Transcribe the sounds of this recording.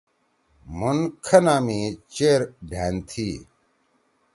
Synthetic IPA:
munkʰɐnaːmĩt͡ɕeːɾɖʱaːnt̪ʰiː

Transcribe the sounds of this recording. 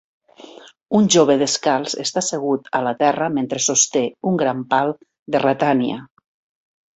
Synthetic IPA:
unʲʒoβeðeskalˠzḛst̪aseɣ̞ut̪a̰lat̪ɛrəment̪ɾesost̪euŋɡɾampalˠ | d̪erat̪ania̰

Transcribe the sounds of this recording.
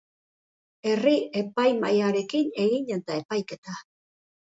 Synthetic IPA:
e̞rie̞pajmajaɾe̞kine̞ɣiɲe̞t̪ae̞pajke̞t̪a

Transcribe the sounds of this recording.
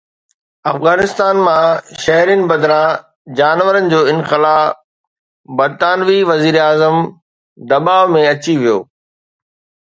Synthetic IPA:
ɐfɣaːnɪst̪aːnmãʃɐɦɾinɪ̆bɐd̪ɾã | d͡ʑaːnʋəɾənɪ̆d͡ʑoːɪ̃nxɪlaː | bɐɾt̪aːnʋiʋɐziːɾaːzəm | d̪ɐbaːʋmẽɐt͡ɕiʋijo̰ː

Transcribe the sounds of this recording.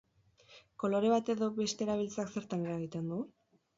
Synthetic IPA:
ko̞lo̞ɾe̞β̞at̪e̞ðo̞βe̞st̪e̞ːɾaβ̞ilt͡sakse̞ɾt̪aŋɡeaɣ̞it̪e̞nd̪u

